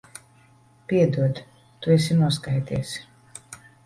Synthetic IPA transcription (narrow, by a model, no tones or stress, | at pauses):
pʲiɛd̪uɔd̪ | t̪uɛsinuɔs̬kajt̪iɛs